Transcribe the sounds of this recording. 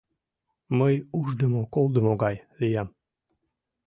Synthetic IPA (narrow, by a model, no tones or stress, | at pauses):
məjuʒd̪əmokolˠd̪əmoɡɑjlijɑm